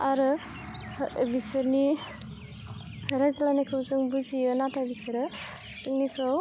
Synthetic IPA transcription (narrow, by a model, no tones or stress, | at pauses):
aɾɯ | bisɯɾni | ɾajzalanikʰɯwzɯŋbuzijɯnatabisɐɾɯ | siŋnikʰaw